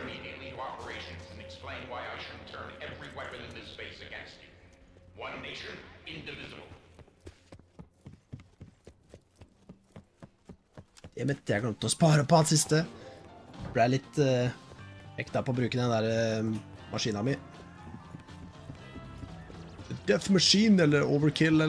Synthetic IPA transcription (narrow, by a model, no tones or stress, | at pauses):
ɨmiɾiɨtˡliɑpə˞eɪʃɨ̃nzɨ̃nɨksplẽɪ̃nwaɪaɪʃʊdⁿn̩tʰɜ̰̃˞nɛvɹiwɛpɨ̃nɨ̃nðɪsfeɪsɨɡɛ̰̃nst͡ʃʉwʌ̃nːeɪt͡ʃə̃˞ɪ̃ndɨvɪzəbl̩ˠ | d̪̥ɛæmɛt̪ʰːæɡɑt̪ɔspɑːɾəpɔɑld̪sɪst̪ə | bliːælɪt̪ː | ɛ̰kt̪ɑpɔːbɾʉːkənd̪ɛnæːɾə | mʔɑʂiːnɑmɪ | d̪̥ɛfmɑʂiːnɛlːəɾoːʋəɹkʰɪlɛ